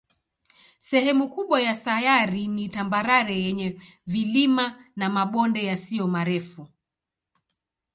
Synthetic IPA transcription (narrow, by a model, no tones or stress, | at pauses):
sɛhɛmukuɓwajasajaɾinitambaɾaɾɛjɛɲɛ | vilimanamaɓɔndɛjasijɔmaɾɛfu